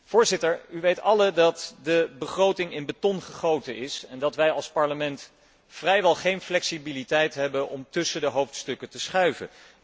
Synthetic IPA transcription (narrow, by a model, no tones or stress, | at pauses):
v̥ʊːɹzɪtəɹyʋejtɑlədɑtdəbəχrowtɪŋɪnbətɔnχəχowtənɪsɛndɑtʋɛjɑlˠspɑɹləmɛnt | frɛjʋɛlˠχejnflɛksibilitɛjtɦɛbənʔɔmtɵsəndəɦowftstɵkətəsχœɥvə̰